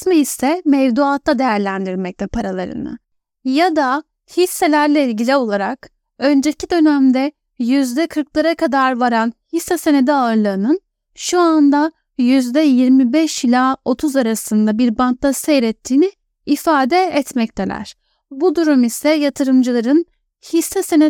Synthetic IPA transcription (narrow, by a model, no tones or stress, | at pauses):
mɛisɛmɛvd̪uaːt̪lːˠad̪e̞jæɾlʲænd̪iɾmɛc̚t̪ʰɛpʰaɾalˠaɾɯ̰nɯ̰ | jad̪a | hisːelʲæɾlʲɛilʲɟilʲio̞lˠaɾak | ø̞nd͡ʒecʰid̪ø̞næmd̪ɛ | jyzd̪ɛkʰɯɾklˠaɾakʰad̪aɾvaɾanhisːɛse̞ned̪iaɯɾlˠɯːnɯn | ʃuand̪a | jyzd̪ɛjiɾmibɛʃilʲaːo̞t̪ʰuzaɾasɯnd̪abiɾbant̪lasejɾɛt̪ʰːiːniː | faːd̪ɛːt̪mɛc̚t̪ʰelʲæ̰ɾ̥ | bud̪uɾumisɛjat̪ʰɯɾɯmd͡ʒɯlˠaɾɯn | hisːɛse̞nɛ